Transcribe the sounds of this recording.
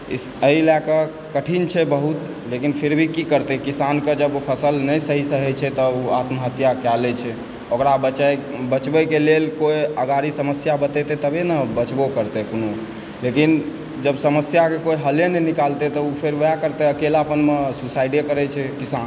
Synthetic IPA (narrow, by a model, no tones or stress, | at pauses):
i | əilakə | kəʈʰint͡ʃʰɛbəɦut̪ | lekinpʰeɾbʱikikəɾt̪ɛkisanked͡ʒəbpʰəsəlnəjsəɦisəɦɛt͡ʃʰɛt̪ɔuat̪məɦət̪jakalɛt͡ʃʰɛ | okɾabət͡ʃɛbət͡ʃbɛkelelkoiəɡaɾisəməsjabət̪ɛt̪ɛt̪əbʱenəbət͡ʃbokəɾt̪ekono | lekin | d͡ʒəbsəməsjakekoiɦəlenɛnikalt̪et̪ɔupʰeɾʋəjakəɾt̪eəkelapənmesusaiɖekəɾɛt͡ʃʰɛkisan